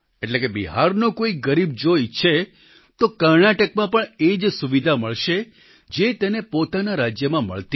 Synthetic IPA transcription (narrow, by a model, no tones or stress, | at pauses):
eʈlekebḭɦaɾnokoiɡəɾib̚d͡ʒojt͡ʃʰe | t̪okəɾnaʈəkmãpəɳed͡ʒsuʋid̪ʱaməɭʃe | d͡ʒet̪enepot̪anaɾad͡ʒjəmãmə̰ɭt̪i